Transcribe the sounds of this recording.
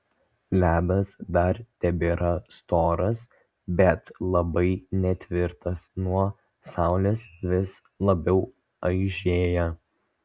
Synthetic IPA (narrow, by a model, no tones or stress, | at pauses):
lʲæːbɐsd̪ɐɾt̪ʲɛbʲeːɾɐst̪oːɾɐs | bʲɛt̪lˠɐbɐɪnʲɛt̪ʲʋʲɪɾt̪ɐsnuɔ | sɑˑʊlʲeːsʋʲɪs | lˠɐbʲɛʊ | ɐɪʒʲeːjɛ